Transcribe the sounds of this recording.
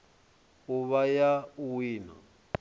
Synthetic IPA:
uβajauwiːna̰

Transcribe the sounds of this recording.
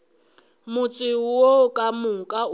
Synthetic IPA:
mʊt͡sʼiwokʼamukʼa

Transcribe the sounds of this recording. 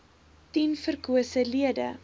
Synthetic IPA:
tinfərkuəsəliədə̰

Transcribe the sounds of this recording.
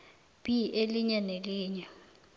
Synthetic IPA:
b̥iʔeliɲɛneliːɲɛ

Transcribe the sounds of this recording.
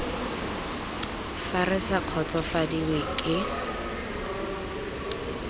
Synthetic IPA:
farɪsaq͡χʰɔt͡sɔfadiwekʼɪ

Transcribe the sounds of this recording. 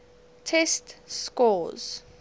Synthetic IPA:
tʰɛstskɔz̥

